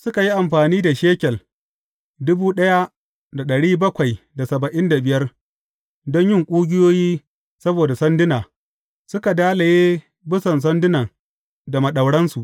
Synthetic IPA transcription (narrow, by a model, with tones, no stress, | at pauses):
sʊ˦ka˨ji˦ʔa˨mɸaː˨niː˦da˨ʃeː˦kʲɛ˨l | dʊ˦buː˦ɗɐ˦ja˦ | da˨ɗɐ˨ɽiː˦bɐ˦kʷa˨jda˨sɐ˨bɐ˨ʔɪ˦nda˨bɪ˨jɐ˦r | dɔ˦ɲjɪ˦˨ŋkʷʼuː˦ɡʲɪ˦joː˦jiː˦ | sɐ˦boː˨da˨sɐ˦ndɪ˦naː˨ | sʊ˦ka˨daː˦la˨jeː˦ | bɪ˦sɐ˨ns̬ɐ˦ndɪ˦nɐ˨ŋ | da˨mɐ˨ɗɐ˨wɽɐ˦nsu˨ʔ